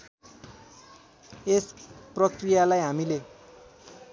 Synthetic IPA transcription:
esprʌkrijalajɦamile

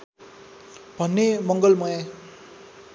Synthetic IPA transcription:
bʱʌnːemʌŋɡʌlmʌja

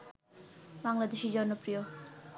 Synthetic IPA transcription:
maŋlad̪uʃid͡ʒɔɾnɔpɾijo

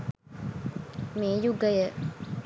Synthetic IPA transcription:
meːjuɡəjə

